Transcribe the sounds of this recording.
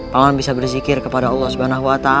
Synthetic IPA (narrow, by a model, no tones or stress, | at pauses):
pamanbisabərzikɪrkəpadaɔlːɔhsubanaɦuwat̪a